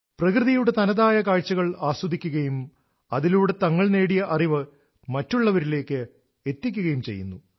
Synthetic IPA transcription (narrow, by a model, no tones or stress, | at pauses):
prɐkrɨðijuɽe̞t̪ɐnɐðaːjɐkaːɻt͡ɕːɐɣɐɭaːsɐd̪ikʲːuɣɐjum | ɐðiluːɽe̞t̪ɐŋːɐɭne̞ːɽijɐʔɐriʋɨ | mɐtːuɭːɐʋɐɾile̞ːkːɨ | e̞t̪ːikʲːuɣɐjumt͡ɕejːunːu